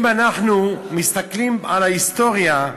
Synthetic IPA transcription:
manaχnumist̪aklimalaist̪o̞ʁja

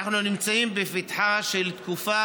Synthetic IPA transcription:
aχnunimt͡saimbefit̪ħaʃelt̪kufa

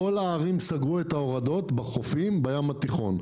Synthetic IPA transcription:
o̞laːʁimsaɡʁuet̪ao̞ʁad̪o̞t̪baχo̞fimbajamat̪iχo̞n

